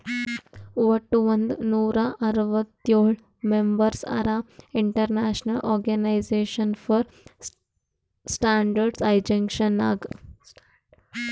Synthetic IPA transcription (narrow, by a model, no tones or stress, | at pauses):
ʋɐʈːuʋɐnd̪nuːɾaʔɐɾʋət̪joɭ | membəɾsa̰ɾaiɳʈəɾnaɕnɐlʔɔːɾɡanaɪzeʃənfɔɾ | sʈaɳɖəɾɖsajd͡ʒɐ̃ŋkʃənːa̰ɡ